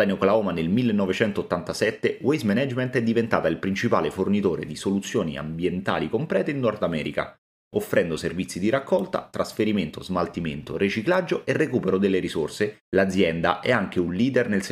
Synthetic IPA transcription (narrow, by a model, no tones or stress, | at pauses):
anoklaoːmanelmilːenːɔvet͡ʃɛnt̪ot̪ːant̪asɛt̪ːewejzmɛnɛd͡ʒment̪ɛd̪ːivent̪aːt̪ailpɾint͡ʃipa̰ːlefornit̪oːɾḛd̪isolut̪sːjoːnḭa̰mbjent̪a̰ːlikompɾɛːt̪einːɔrd̪amɛ̰ːɾḭka̰ | ofːɾʔɛnd̪oservit̪sːid̪iɾakːɔlt̪a̰t̪ɾasfeɾiment̪ozmalt̪iment̪o̰ret͡ʃiklad͡ʒːoʔerːekuːpeɾod̪elːeɾisorse | lad̪zːjɛnd̪a̰ʔɛaŋk̟eunliːd̪ernels